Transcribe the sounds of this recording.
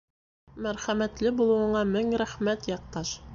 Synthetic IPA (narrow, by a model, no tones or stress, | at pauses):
mæɾχæmæt̪lɘbulˠɤ̆wɤ̆ɴɑmɘŋɾæχmæt̪jɑq̚t̪ɑʃ